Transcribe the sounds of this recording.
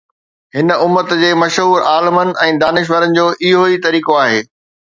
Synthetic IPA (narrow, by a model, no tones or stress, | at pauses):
ɦɪnʊmːət̪d͡ʑeːmɐʃɦuːɾaːlɪmənɪ̆ʔɛ̃ːd̪aːnɪʃ̬ʋəɾənɪ̆d͡ʑoːʔɪɦoit̪ɐɾiːkoaːɦeː